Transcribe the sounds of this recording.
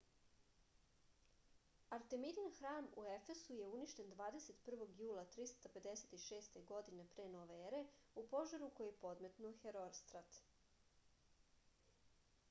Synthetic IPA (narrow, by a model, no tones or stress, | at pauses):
aɾt̪e̞mid̪inxɾaːmue̞fe̞suje̞uniʃt̪e̞nd̪ʋaːd̪e̞se̞t̪pr̩ʋo̞ɡjuːlˠat̪ɾist̪ape̞d̪e̞set̪iʃe̞ːst̪e̞ɡo̞d̪ine̞pɾeːnoʋeeɾe̞upo̞ʒaɾuko̞jijepo̞d̪me̞t̪nuoxe̞ɾoɾst̪ɾat̪